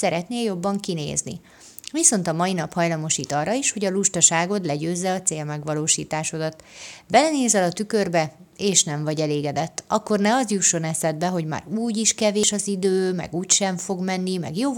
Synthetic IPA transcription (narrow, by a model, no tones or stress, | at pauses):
sɛɾɛt̪neːjo̞bːɒŋkinḛːznḭ | viso̞nt̪ɒmɒinɒphɒjlɒmo̞ʃiːt̪ɒrːɒiʃho̞ɟɒluʃt̪ɒʃaːɡo̞t̪lɛɟøːzːɛɒt̪seːlmɛɡʋɒloːʃḭːt̪aːʃo̞d̪ɒt̪bɛlɛneːzɛlɒt̪ykørbɛeːʃnɛɱvɒɟɛleːɡɛd̪ɛt̪ːɒkːo̞rnɛɒzjuʃːonɛsɛd̪bɛɦo̞ɟma̰ːɾuːɟiʃkɛveːʃɒzid̪øːmɛ̰ɡuːcʃɛɱfo̞ɡmɛnːimɛ̰ɡjoː